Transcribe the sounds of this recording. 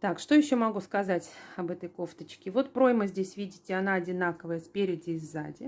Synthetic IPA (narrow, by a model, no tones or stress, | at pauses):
t̪akʂt̪o̞jɪɕːo̞mɐɡuskɐzatʲɐbɛt̪əjko̞ft̪ət͡ɕkʲɪvo̞t̪pɾo̞jməzʲdʲesʲvʲidʲɪtʲɪɐnaɐdʲɪnakəvəjəspʲeɾʲɪdʲɪɪza̰dʲɪ